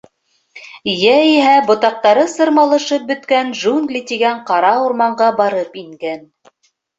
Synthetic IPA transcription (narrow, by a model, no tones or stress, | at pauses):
jæiɦæbŏt̪ɑq̚t̪ɑɾɤsɤ̆ɾmɑlˠɤ̆ʃɤp̚bɵ̆t̪kænʒunɡ̪lʲit̪iɡæɴqɑɾɑuɾmɑɴɢɑbɑɾɤpiŋɡæn